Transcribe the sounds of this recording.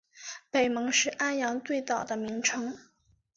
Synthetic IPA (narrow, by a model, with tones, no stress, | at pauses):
pe˨˩ɪmɤ˧˥ŋʂɻ̩˥˩ʔa˥njɑ˧˥ŋt̪we˥˧ɪt̪ɑ˨˩ʊd̪ə˦mi˧˥ŋʈ͡ʂʰɤ˥ŋ